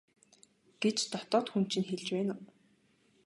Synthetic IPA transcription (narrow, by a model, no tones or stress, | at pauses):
ɡ̥et͡ɕt̪ɔt̪ɔːt̪xunt͡ɕʰĭnxeɮt͡ɕpæːnʊː